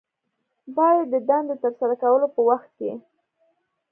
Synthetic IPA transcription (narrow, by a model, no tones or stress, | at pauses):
bɑjad̪ːəd̪ɑnd̪ət̪aɾsaɾakawəlopəwaxt̪̚ke